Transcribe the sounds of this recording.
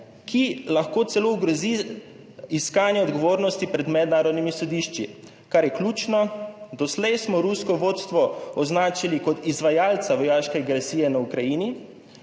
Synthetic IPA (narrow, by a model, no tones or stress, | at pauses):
kʰilaxkoːt̪sɛlouɡɾɔzi | iskaːnjɛɔd̪ɡɔʋoːɾnɔst̪ipɾɛd̪mɛd̪naːɾɔd̪nimisɔd̪iʃt͡ʃi | kaɾjɛklʲuːt͡ʃnɔd̪ɔslɛjsmɔɾuskɔʋoːt̪st̪ʋɔɔznaːt͡ʃilikɔt̪izʋajaːlt̪saʋɔjaːʃkɛaɡɾɛsiːjɛnaukɾajini